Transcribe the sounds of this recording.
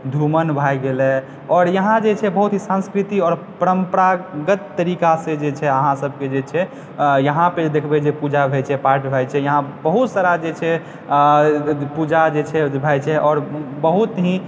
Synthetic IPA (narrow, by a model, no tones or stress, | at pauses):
d̪ʱumənbʱajɡelɛ | ɔːɾjəɦãd͡ʒet͡ʃʰɛbəɦut̪ɦĩsə̃nskɾit̪iɔːɾ | pəɾəmpəɾaɡət̪ːəɾikasẽd͡ʒet͡ʃʰɛəɦãsəbʱked͡ʒet͡ʃʰɛ | jəɦãped̪ekʰbɛd͡ʒepud͡ʒabʱɛt͡ʃʰɛpaɾʈbʱajt͡ʃʰɛjəɦãbəɦut̪saɾad͡ʒet͡ʃʰɛ | pud͡ʒad͡ʒet͡ʃʰɛbʱajt͡ʃʰɛʔɔːɾbəɦut̪ɦĩ